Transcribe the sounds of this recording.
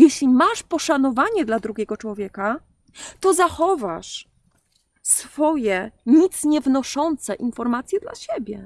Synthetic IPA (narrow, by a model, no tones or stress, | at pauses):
jɛɕlʲimaʂpɔʂanɔvaɲɛd̪lad̪ɾuɡʲɛɡɔt͡ʂwɔvʲjɛka | t̪ɔzaxɔvaʂ | sfɔjɛɲit̪sɲɛvnɔʂɔnt̪sɛʔinfɔɾmat̪sʲjɛd̪la̰ɕɛbʲjɛ